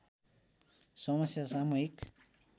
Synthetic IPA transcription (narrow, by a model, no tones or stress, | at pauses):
sʌmʌsjasamuɦik